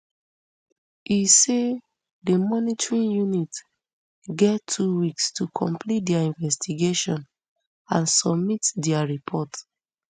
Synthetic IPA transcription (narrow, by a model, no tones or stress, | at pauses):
ise | dəmɔnitɹĩnjunit | ɡɛtʰːuwikstʰukʰɔ̃mpʰlit̚dɛaĩnvɛstiɡeʃɔ̃n | ãnsɔbmitdɛaɹipʰɔt